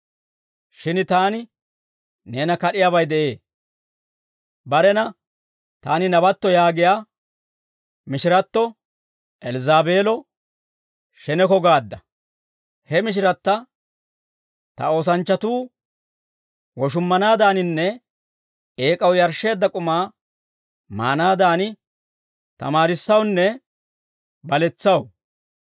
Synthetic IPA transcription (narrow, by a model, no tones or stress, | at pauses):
ʃɪnt̪aːnɪ | ne̞ːnɐkɐɗɪjaːbɐjd̪ɛʔe̞ː | bɐɾɛnɐ | t̪aːnɪnɐbɐt̪ːɔjaːɡɪjaː | mɪʃɪɾɐt̪ːɔ | ʔɛlzaːbe̞ːlɔ | ʃɛnɛkɔɡaːd̪ːɐ | hɛmɪʃ̬ɪɾɐt̪ːɐ | t̪ɐ̰o̞ːsɐnt͡ʃːɐt̪uː | wɔʃ̬ʊmːɐnaːd̪aːnɪnːɛ | eːkʼɐwjɐɾʃe̞ːd̪ːɐkʼʊmaː | ma̰ːnaːd̪aːnɪ | t̪ɐ̰maːɾɪsːɐwnːɛ | bɐlɛt͡sːɐw